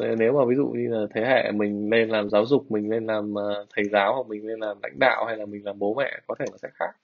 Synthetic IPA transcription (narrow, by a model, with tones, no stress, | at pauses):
ne˨˦wmaː˨˩vi˨˦zṵ˧˨ɲi˧laː˨˩t̪ʰe˨˦hɛ̰˧˨mï˨˩ŋ̟le˧nlaː˨˩mzaː˨˦wzʊ˨˩k͡p̚mï˨˩ŋ̟le˧nlaː˨˩mː˨˩t̪ʰə˨˩jzaː˨˦wha˧˩mï˨˩ŋ̟le˧nlaː˨˩mla̰˧˥jŋ̟ɗa̰ː˧˨wha˧jlaː˨˩mï˨˩ŋ̟laː˨˩mɓo˨˦mɛ̰˧˨kɔ˨˦t̪ʰe˧˩laː˨˩sɛ̰˧˥xaː˦˥k̚